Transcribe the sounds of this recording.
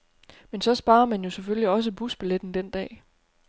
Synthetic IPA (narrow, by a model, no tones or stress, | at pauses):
mensɒ̽sb̥ɑ̈ːɐmænjo̝seføljiɒ̽s̬əb̥usb̥eled̥n̩d̥end̥ɛ̰ː